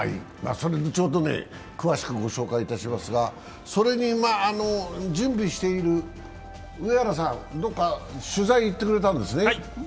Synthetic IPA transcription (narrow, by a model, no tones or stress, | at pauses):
a̰ḭ | ma̰ːso̞ɾe̞d̪et͡ɕoːd̪o̞ne̞̰ | kɯ̟βaɕi̥kɯ̟ɡo̞ɕo̞ːkait̪aɕimasɨɡa | so̞ɾe̞ɲ̟imaːno̞d͡ʑɨ̃mbʲiɕi̥t̪e̞iɾɯ̟ | ɯeaɾas̬ãnd̪o̞kːaɕɨzaiːt̪ːe̞kɯɾe̞t̪ãnd̪e̞sɨne